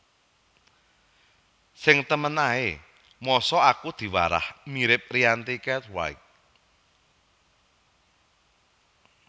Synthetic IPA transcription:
sɪŋt̪əmənae | mɔsɔakud̪̥i̤waɾa̰hmiɾɪp̚riant̪ikɛt̪wa̰ik̚

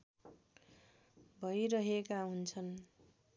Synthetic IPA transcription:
bʱʌjɾʌɦekaɦunt͡sʰʌn

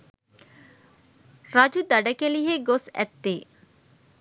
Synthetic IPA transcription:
ɾad͡ʒud̪aɖakeliɦeɡosɛ̰t̪ːe

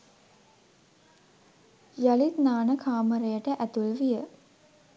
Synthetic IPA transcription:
jalit̪naːnəkʰaːməɾejəʈəʔæt̪ulʋijə

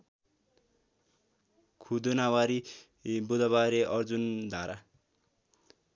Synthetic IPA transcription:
kʰud̪onawaɾi | bud̪ʌβaɾeʔʌrd͡zund̪ʱaɾa

